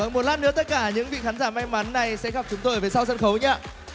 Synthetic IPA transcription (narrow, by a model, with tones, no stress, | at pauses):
ə˨˩nmo˨˩t̚laː˦˥nɨ̰˧˥ət̪ə˦˥t̚kaː˧˩ɲɨ̰˧˥ŋvḭ˧˨xaː˨˦nzaː˧˩ma˧jŋma˨˦nːa˨˩jsɛ̰˧˥ɣa˨˩p̚t͡ɕʊ˨˦ŋ͡mt̪o˧jve˨˩sa˧wzə˧nxə˨˦wɲaː˧